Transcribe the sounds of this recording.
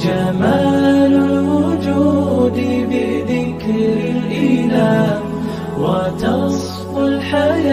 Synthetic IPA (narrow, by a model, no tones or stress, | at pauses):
d͡ʒamaːlʊlwʊd͡ʒuːd̪ɪbɪðɪkɾɾɪlʔɪlaːʔ | wat̪ɑsˤ | qʊlħaja